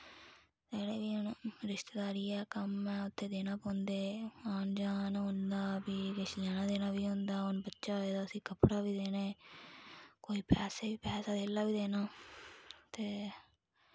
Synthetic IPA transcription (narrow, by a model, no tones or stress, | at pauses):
t̪eːɽeːʋiːʊnɾɪʃt̪eːd̪aːɾiːɛːkəmɛːʊt̪ʰːeːd̪eːnãːpõːnd̪eːaːnd͡ʒaːnɦʊ̃nd̪aːbiːɾɪʃlɛːnãːd̪eːnaːbiːɦʊ̃nd̪aːʊnbətːʃaːɦoːeːd̪aːəsĩːkəpɽaːbiːd̪eːneː | koːiːpɛːseːʋiːpɛːsaːd̪eːlːaːbiːd̪eːnaː | t̪eː